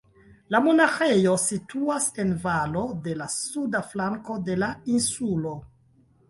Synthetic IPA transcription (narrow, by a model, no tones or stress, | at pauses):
lamo̞naxe̞jo̞sitʰuase̞nvalo̞de̞lasudaflaŋko̞de̞lainsulo̞